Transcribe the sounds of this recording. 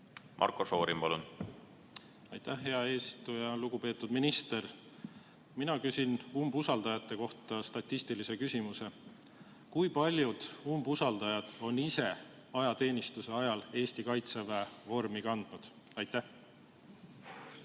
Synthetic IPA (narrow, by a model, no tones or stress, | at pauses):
mʔɑ̰rkoso̞ːɾimpɑ̰lun | ɑjt̪ːæhɦːe̞ɑe̞ːsit̪ujɑluɡ̥upe̞ːt̪ːˑud̪̥minist̪e̞r | minɑkysinumbusɑld̪̥ɑjɑt̪ːˑe̞ko̞ht̪ˑɑst̪ɑt̪ʲːist̪ilise̞kysʲimuse̞ | kujpɑlʲjud̪̥umbusɑld̪̥ɑjɑd̪̥o̞nise̞ | ɑjɑt̪e̞ːnist̪use̞ɑjɑle̞ːst̪ikɑjt̪se̞vɑvo̞rmikɑnd̪̥nud̪̥ | ɑjt̪ːæh